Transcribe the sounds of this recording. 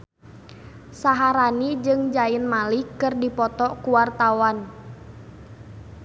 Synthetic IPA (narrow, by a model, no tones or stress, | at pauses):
saɦaɾanid͡ʒɨŋd͡ʒaɪnmalikɨrdipɔt̪ɔkuwart̪awan